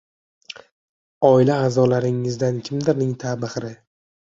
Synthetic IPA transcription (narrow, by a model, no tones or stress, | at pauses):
ɒɪlaːzɒlaɾɪŋːɪzd̪ankʲʰɪmd̪ɪɾnɪŋt̪ʰabɨhɾɪ